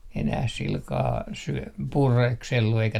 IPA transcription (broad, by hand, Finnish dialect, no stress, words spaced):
enæh silkɑː syø purekselːu eikæ